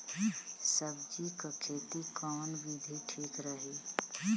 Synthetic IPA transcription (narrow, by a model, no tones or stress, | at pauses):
səbd͡ʒikakʰeːt̪ikaːnbid̪ʱiʈʰiːkɾəɦeː